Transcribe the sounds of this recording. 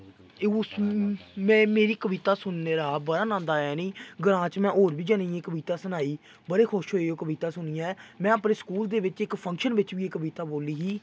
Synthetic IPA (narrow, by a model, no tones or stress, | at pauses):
eo | mɛ̃ːmeːɾiːkəʋiːt̪aːsʊnːeːɾaːbəɽaːnãːnd̪aːɛːnĩːɡəɾãːt͡ʃmɛ̃ːʔoːɾbiːd͡ʒənaiːeːkəʋiːt̪aːsənaːiː | bəɾeːkʰʊʃɦoːeoːkəʋiːt̪aːsʊniːaːmɛ̃ːəpneːskuːld̪eːʋɪt͡ʃɪkpʰə̃ŋkʃənʋɪt͡ʃʋiːeːkəʋiːt̪aːboːliːɦiː